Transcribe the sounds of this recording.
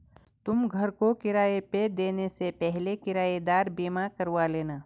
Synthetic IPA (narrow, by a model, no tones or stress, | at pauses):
t̪ʊmɡʱəɾkokɪɾaːeped̪eːnesepɛɦlekɪɾaːed̪aːɾbiːmakəɾʋaleːnaː